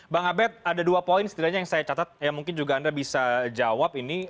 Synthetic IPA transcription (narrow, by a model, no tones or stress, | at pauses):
baŋabɛt̪̚adaduapoɪnsə̥t̪idaɲajaŋsajat͡ʃat̪at̪̚jamuŋkɪnd͡ʒuɡaːndabisad͡ʒawapini